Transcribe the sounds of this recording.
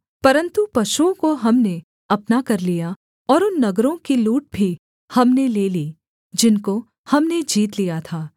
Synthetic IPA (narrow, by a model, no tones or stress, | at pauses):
pɐɾə̃nt̪upɐʃuõkoɦɐmne | ɐpnakɐɾlija | ɔːɾʊnːɐɡɾõkiluːʈ̚bʱi | hɐmneleːliː | d͡ʒɪnko | hɐmned͡ʒiːt̪lijat̪ʰaː